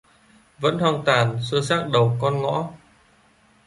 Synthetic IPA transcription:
və̰˧˥nhwaː˧ŋt̪waː˨˩nsɨ˧saː˦˥k̚ɗə˨˩wkɔ˧nŋɔ̰˧˥

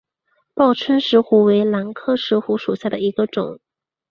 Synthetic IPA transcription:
pɑ˥˩ʊʈ͡ʂʰwə˥nʂɻ̩˧˥xu˧˥we˧˥ɪla˧˥nkʰɤ˥˩ʂɻ̩˧˥xu˧˥ʂu˨˩ɕja˥˩d̪ə˩i˧˥ɡə˧ʈ͡ʂʊ̰˨˩˦ŋ

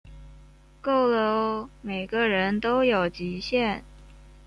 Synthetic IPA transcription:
ko˥˩ʊlo˧˥me˨˩ɪɡə˧ɻə˧˥nt̪o˥ʊjo˨˩ʊt͡ɕi˧˥ɕjɛ˥˩n

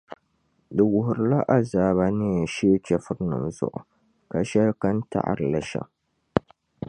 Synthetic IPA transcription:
dɨ˨wʊ˨ɦʊ˨ɾɨ˨la˦ʔa˦zaː˨ba˨nɨ˦˨ʃe˦t͡ʃɛ˦fɨ˦ɾɨ˦nɨ̰˨mzʊ̰˦˨ʔʊ̰˨ | ka˨ʃɛ˦lka˦n˦ta̰˦˨ʔa̰˨ɾɨ˨la˨ʃɛ̰˨m

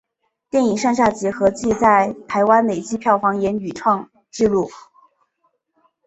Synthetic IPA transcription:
t̪jɛ˥˩ni˨˩ŋʂa˥˧ŋɕja˥˩t͡ɕjɛ˧˥xɤ˧˥t͡ɕi˥˧t͡sa˥˩ɪt̪ʰa˧˥ɪwa˥nle˨˩ɪt͡ɕi˥pʰjɑ˥˩ʊfɑ˧˥ŋjɛ˧˥ny˨˩ʈ͡ʂʰwɑ˥˧ŋ | ʈ͡ʂɻ̩˥˧lu˥˩

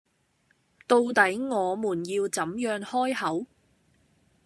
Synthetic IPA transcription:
t̪o˧wt̪ɐ˨˥jŋɔː˨˧muː˨˩njiː˧wt͡sɐ˨˥mjœː˧ŋhɔː˥jhɐ˨˥w

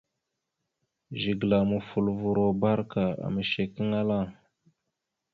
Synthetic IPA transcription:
ʒi˨ɡla˨mu˨fu˨lvu˨ɾo˨ba˦ɾka˨a̰˨mə˨ʃe˨ki˦ŋa˦la˦˨

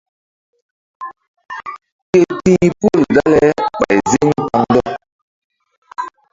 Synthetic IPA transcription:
ke˦tĩ˦pu˦˨lda˦lɛ˦ɓa˨i˨zi˦ŋ̩˦ka˦n˦dɔ˦

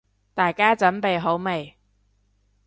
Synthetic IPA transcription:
t̪aː˨jkaː˥t͡sɐ˨˥npe˨jɦo˨˥wme˨˩j

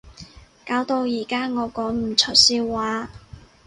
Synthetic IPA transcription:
kaː˨˥wt̪o˧wjiː˨˩kaː˥ŋɔː˨˧kɔː˨˥ŋm̩˨˩t͡ʃʰɵ˨˩siː˧wwaː˨˥

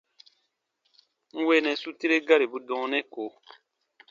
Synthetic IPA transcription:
ŋ̩˦we˦nɛ̃˨su˦ti˦ɾe˦ɡa˦ɾe˨bu˦dɔ̃˨˦nɛ̃˦ko˨

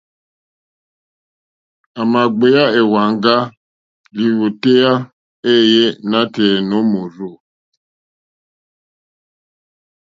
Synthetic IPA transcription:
a˨ma˨ɡ͡be˨ja˦e˨wa˨ŋ̩˦ɡa˦ | li˨wo˨te˦ja˦ | e˦˨je˦na˦te˨no˨˦mo˨ɾo˦˨

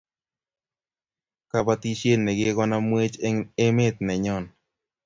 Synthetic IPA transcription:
ka˦ba˦t̪i˦ʃje˦nːɛ˨ɡe˦ɡɔ˦na˦mwe˦t͡ʃe˦me˦t̪̚nɛ˨ɲɔ˦˨n

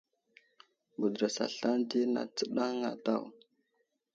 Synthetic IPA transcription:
bu˨dɾa˨sa̰˨ɬa˦ndi˦na̰˨t͡sə˦ɗa˦ŋa̰˨ta˦˨w

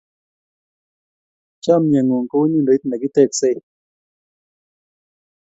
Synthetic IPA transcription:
t͡ʃa˦˨mja˨ŋu˨ŋ˨ko˦nĩ˦ndo˨˦t̪na˨ki˦t̪e˦˨kse˦˨

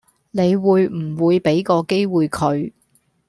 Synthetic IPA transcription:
ne˨˧jwuː˨˧jm̩˨˩wuː˨˧jpe˨˥jkɔː˧ke˥jwuː˨˧jkʰɵ˨˧ɥ

